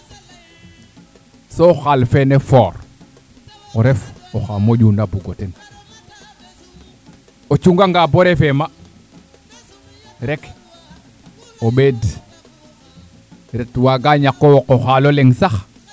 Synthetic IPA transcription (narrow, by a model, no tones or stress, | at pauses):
soxalfenefoːɾ | oɾefoxamoɟundabuɡoten | ot͡ʃuŋɡaŋɡaboɾefema | ɾek | oɓed | ɾetwaɡaɲakːowokoxaloleŋsax